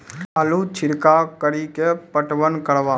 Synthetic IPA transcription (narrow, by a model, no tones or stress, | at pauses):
aːlut͡ʃʰɪɾkakəɾikepəʈʋənkəɾʋaː